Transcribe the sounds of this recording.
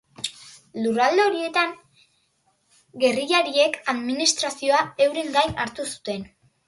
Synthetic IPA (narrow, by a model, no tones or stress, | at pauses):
lurald̪eo̞ɾie̞t̪aŋ | ɡe̞riʎaɾie̞kaðminist̪ɾasio̞ae̞wɾe̞ŋɡajnaɾt̪usu̥t̪e̞n